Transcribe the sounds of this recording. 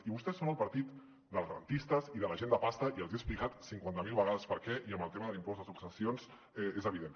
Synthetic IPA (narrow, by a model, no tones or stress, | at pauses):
iβust̪ɛsːonəlˠpəɾt̪it̪ | d̪əlˠzɣəɾə̰nt̪ist̪əziðələʒend̪əpast̪əiəlˠzieksplikat̪siŋkwant̪əmilˠβəɣaðəspəɾkɛʔiəmbəlˠt̪emɐəðəlimpɔzðəsuksəsjons | ɛezəβ̞iðen